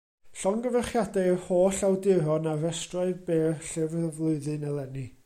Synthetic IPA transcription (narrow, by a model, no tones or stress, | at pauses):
ɬɔŋɡəvɛχjadahoːɬawdɪɾɔnavɛstraɨbeːɬɪvvlˠʊɨðɨnɛlˠɛni